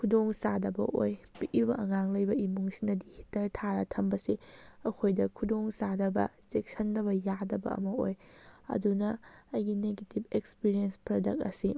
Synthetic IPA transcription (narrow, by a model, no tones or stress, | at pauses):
kʰudoŋsadɐbɐ̰ʔo̰jpiʔibɐʔɐŋaŋlɐjbɐimuŋsinɐdihi̥tɐɾtʰaɾɐtʰɐmbɐsiɐkʰojdɐkʰudoŋsadɐbɐ̰t͡ʃek̚sɐndɐβɐjadɐbɐ̰ɐ̰mɐojɐ̰dunɐːjɡineɡetib̚ekspiɾienspɾodɐk̚ɐ̰si